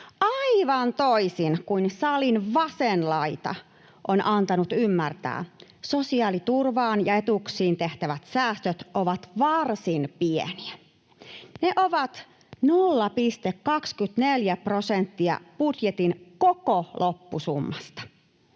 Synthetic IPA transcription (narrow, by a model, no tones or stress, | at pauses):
ɑiʋɑnt̪oisinkuinsɑlinʋɑsenlɑit̪ɑ̰ | ʔonʔɑnt̪ɑnut̪ymːært̪æ̰ːso̞siɑːlit̪urʋɑːnjɑet̪uksiːnt̪eht̪æʋæt̪sæːst̪øt̪oʋɑt̪ʋɑrsinpiḛniæ | neʔoʋɑt̪ | nolːɑpist̪ekkɑkskyt̪neljæpro̞sent̪ːiɑ̰pudjet̪inkokolʔopːusumːɑst̪ɑ̥